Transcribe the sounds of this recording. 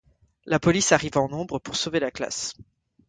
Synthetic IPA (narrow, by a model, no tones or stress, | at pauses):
lapɔlisaʁivɑ̃nɔ̃bʁəpuʁsovelakla̰s